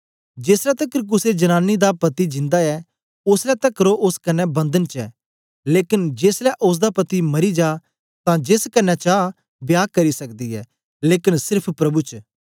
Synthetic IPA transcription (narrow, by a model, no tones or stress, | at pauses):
d͡ʒeːslɛt̪ɐkːɾʊsed͡ʒɐnaːnːid̪apɐt̪id͡ʒɪ̃nd̪aɛ | ʊslɛt̪ɐkːəɾoʔʊskɐnːɛbɐ̃nd̪ənt͡ʃɛ̰ː | leːkɪnd͡ʒeːslɛʔʊs̬d̪apɐt̪imɐɾid͡ʒaː | t̪ãd͡ʒeːskɐnːɛt͡ʃaː | bjaːkɐɾisɐkd̪iɦɛ̰ː | leːkɪnsɪɾpʰpɾɐbut͡ʃ